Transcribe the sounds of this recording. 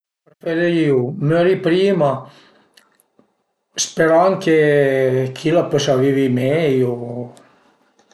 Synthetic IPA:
pɾfeɾejiumøɾipɾiːma | speɾaŋke | kʰilapɔsavivimejo

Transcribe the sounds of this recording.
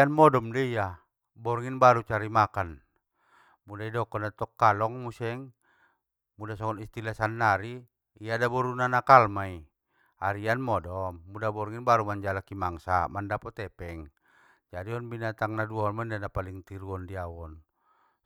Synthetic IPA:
anmɔdɔmdɛija | bɔɾŋinbaɾut͡ʃaɾimakan | mudaidɔkɔnat̪ɔkːalɔŋmusɛŋ | mudasɔkɔnist̪ilasanːaɾiː | jadabɔɾunanakalmai | aɾianmɔdɔmːudabɔɾŋinbaɾumaɲd͡ʒalakimaŋsa̰mandapɔt̪ɛpɛŋ | d͡ʒadiɔnbinat̪aŋnaduɔnmaindanapaliŋt̪iɾuɔndiawɔn

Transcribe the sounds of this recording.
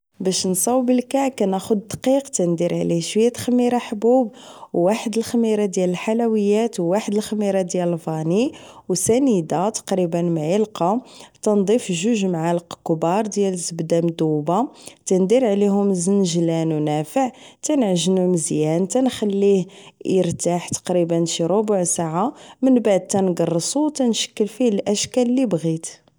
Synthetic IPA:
bæʃnsˤɑwbəlkæʕkænæxʊd̪d̪qiqt̪ænd̪iɾʕlihʃwəjːæt̪xmːiɾˤɑħbub | wːaħəd̪əlxmiɾˤɑd̪jæləlħalæwəjːæt̪wːaħəd̪əlxmiɾˤɑd̪jæləlfɑniwsænid̪at̪ɑ̥qɾibənmʕilqɑt̪ænd̪ˤifʒuʒmʕalqkbɑɾˤd̪jælzəbd̪amd̪ubat̪ænd̪iɾʕlihʊmzənʒlænwnæfəʕt̪ænʕʒnuməzjænt̪ænxælːihjəɾt̪aħt̪ɑ̥qɾibənʃiɾobʊʕsaʕamənbaʕd̪̚t̪ænɡɑrˤːəsˤuwt̪ænʃə̥kːəlfilʔæʃkællːibɣit̪

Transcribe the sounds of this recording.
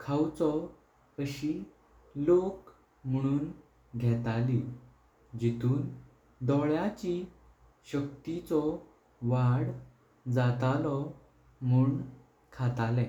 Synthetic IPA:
kʰawt͡sɔ | əɕi | lok | m̤əɽ̃uːn | ɡʱɛt̪ali | d͡ʑit̪uːn | d̪ɔɭjat͡ɕi | ɕək̚t̪it͡sɔ | ʋaɽ | d͡zat̪alɔ | m̤uːɳ | kʰat̪alɛ̃

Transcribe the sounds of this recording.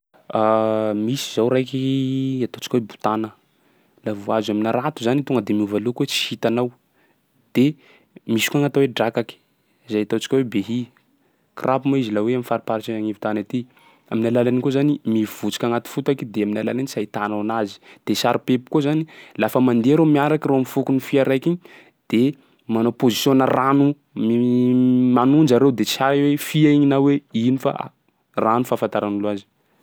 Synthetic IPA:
amisi̥zawɾajkiat̪ot͡ʃi̥kwebu̥t̪anə | lavuazaminaɾat̪uzanit̪oŋɡəd̪emiuvalukuwet͡si̥hit̪anaw | d̪̥e | misi̥koaŋat̪aweɖ͡ʐakaki̥ | zajat̪ot͡si̥kʲawebeɦi | krʔapumaizilaweamifaɾipaɾit͡ʃaaŋivut̪anat̪i | aminalalanikozanimiv̥ut͡si̥kʲaŋat̪i̥fut̪akid̪eaminalalanisajt̪ananazi̥d̪̥esaɾipepu̥kozanilafəmand̪eaɾomiaɾakiɾoamifukunifiaɾajkiɲ | d̪̥e | manopozisjonaranu | mi | manund͡ʒaɾewd̪et͡saɾiwefiaiɲinaweinifa̰a̰ | ranufafant̪aɾanuluazi̥

